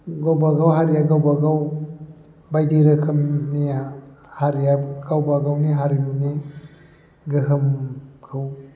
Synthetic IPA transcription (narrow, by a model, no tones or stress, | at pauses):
ɡawbaɡawɦaɾijaɡawbaɡaw | bajdiɾɯkʰɯmnijahaɾijaɡawbaɡawniɦaɾimni | ɡɯɦɯmkʰaw